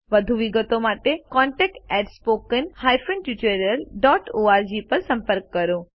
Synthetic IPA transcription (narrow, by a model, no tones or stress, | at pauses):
ʋəd̪ʱuʋiɡət̪omaʈekɔɳʈɛk̚ʈɛʈspokənhajfənʈjut͡ʃəɾjəlɖɔʈoaɾd͡ʒipəɾsə̃mpəɾkːəɾõ